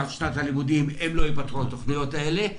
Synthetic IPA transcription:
ʃnat̪halimud̪imemlo̞ipat̪χuat̪oχnijo̞taele̞

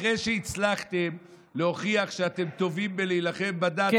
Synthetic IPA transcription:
ʁejʃeit͡slaχt̪em | leho̞χiaχʃeat̪emt̪o̞vimbelejlaχe̞mbad̪a

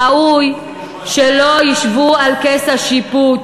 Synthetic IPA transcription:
auj | ʃelojiʃvualkesaʃipu

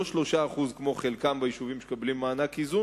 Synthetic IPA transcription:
oʃlo̞ʃaːχuzkmoχelkambaiʃuvimʃe̥kablimːaːnakizu

